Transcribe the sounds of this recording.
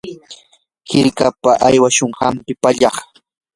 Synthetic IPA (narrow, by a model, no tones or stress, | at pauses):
hɪɾkapaʔajwaʃoɴɢɑmpɪpaʎɑχ